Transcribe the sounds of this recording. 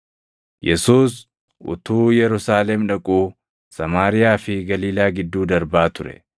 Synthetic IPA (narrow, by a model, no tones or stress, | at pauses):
jɛsuːs | ʔʊ̰t̪uːjɛɾʊsaːlɛmᶑɐkʼuː | sɐmaːɾɪjaːfɪɡɐliːlaːɡɪd̪ːuːd̪ɐɾbaːt̪ʊɾɛ̰